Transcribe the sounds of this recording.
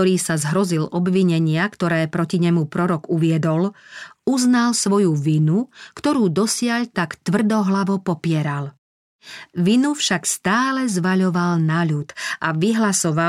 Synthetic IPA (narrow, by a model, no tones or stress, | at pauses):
ɔɾiːsazɦɾɔzilɔbʋiɲɛɲɪakt̪ɔɾɛːpɾɔciɲɛmupɾɔɾɔɡuʋɪɛd̪ɔluznalsʋɔjuʋinukt̪ɔɾuːd̪ɔsɪaʎt̪akt̪ʋr̩d̪ɔɦlaʋɔpɔpɪɛɾal | ʋinufʃakst̪aːlɛzʋaʎɔʋalnaʎut̪ʔaʋiɦlasɔʋa